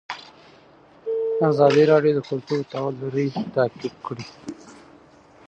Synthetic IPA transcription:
azɑːd̪iɾɑɖjod̪əkʊlt̪ut̪awluɾit̪aːkɪb̚kɽi

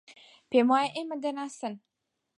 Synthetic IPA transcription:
pemɒjaʔemɪd̪ɪnasɪn

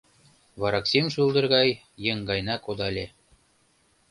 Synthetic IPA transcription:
vɑɾɑksʲimʃulˠd̪ɤ̆ɾɣɑj | jɤ̆ŋɡɑjnɑkod̪ɑlʲe

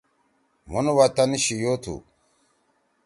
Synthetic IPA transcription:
munwat̪aniɕijot̪ʰṵ

